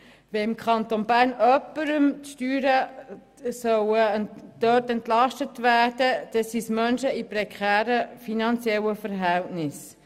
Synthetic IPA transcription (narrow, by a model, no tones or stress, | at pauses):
ʋɛɪmkʰχɑnt̪onbæːɾnœpːəɾəmtʃtyːɾə | sœwəd̥œtɛntlɑʃtətʋæːɾdəd̪̥ɛsismœnʃəipɾɛkʰχæːɾəfinɑnt͡sjɛlːəfəɾɦɛltnɪs